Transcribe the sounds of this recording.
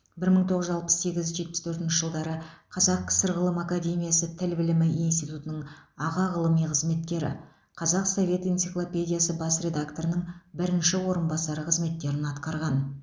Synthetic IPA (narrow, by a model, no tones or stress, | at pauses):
bɪɾməɴt̪ʰo̞ʁəzʒɑlˠpə̥sse̞ɡʲɪzʒe̞t̪̚pɪ̥st̪ʰɵɾt̪ɪnʃɪʒəlˠd̪ɑɾəqʰɑzɑq̚kʲʰɪ̥sɪɾʁəlˠəmakad̪ʲe̞mʲijasət̪ʰɪlbɪlɪmɪinst̪ijt̪ut̪ənəɴɑʁɑʁəlˠəmijqʰəzme̞t̪kʲːe̞ɾɪ̰ | qʰɑzɑqso̞vʲe̞t̪ijnt̪siklˠopʲe̞d̪ʲijasəbɑsɾʲe̞d̪akt̪o̞ɾənəɴbɪɾɪnʃɪwo̞ɾənbɑsɑɾəqʰəzme̞t̪ːe̞ɾɪnɑt̪qɑɾʁɑn